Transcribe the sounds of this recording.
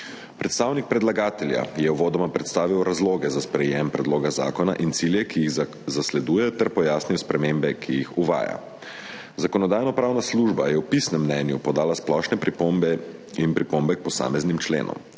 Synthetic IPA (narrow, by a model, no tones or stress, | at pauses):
pɾɛt̪st̪aːwnik̚pɾɛd̪laɡaːt̪ɛlja̰jɛwʋoːd̪ɔmapɾɛt̪st̪aːʋiwɾazloːɡɛzaspɾɛjɛmpɾɛd̪loːɡaza̰ːkɔnaʔint̪siljɛkijiɣ | zaslɛd̪uːjɛt̪ɛɾpɔjaːsniwspɾɛmembɛkʰijixuʋa̰ːja̰ | zakɔnɔd̪aːjnɔpɾaːwnasluʒbajɛwpisnɛmːnɛːnjupɔd̪aːlasplɔʃnɛpɾipombɛ | inpɾipombɛk̚pɔsa̰ːmɛznimt͡ʃlḛːnʔɔ̰m